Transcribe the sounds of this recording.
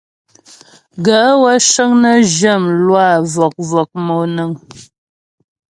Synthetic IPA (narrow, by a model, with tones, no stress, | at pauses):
ɡə˨˦wə˦ʃə˦ŋnə˦ʒə˦˨mlwa˦˨vɔ˨k̚vɔ˨k̚mo˨nə˨ŋ